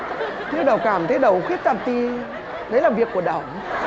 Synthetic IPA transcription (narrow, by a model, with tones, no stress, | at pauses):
ɲʰi˧wɗə˨˩wkaː˧˩mt̪ʰə˨˦jɗə˨˩wxwi˦˥ət̚t̪a˧˨˩nt̪i˧ | ɗə˨˦jlaː˨˩vi˨˩əkːu˧˩əɗaː˨˧˩w